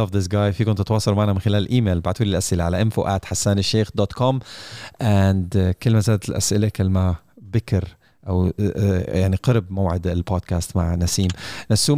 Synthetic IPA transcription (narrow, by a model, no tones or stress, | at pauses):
ɑfðɪs̬ɡaːjfiːkʊnt̪t̪wɑːsˤɑlmaʕnæmɪnxɪlæːlɪlʔiːmeːlbaʕt̪wuːlːɪlʔasʔɪlaʕalaʔɪmfoʔæːt̪ħasːaːnɪʃːeːxd̪oːt̪kɔmʔand̪kɪlːmazaːd̪t̪ɪlʔa̰sʔɪlakɪlːmabɪkɪɾ | ʔaw | jaʕniqɑɾbmowʕɪd̪ɪlboːd̪̚kæːst̪maʕnæsiːmnasuː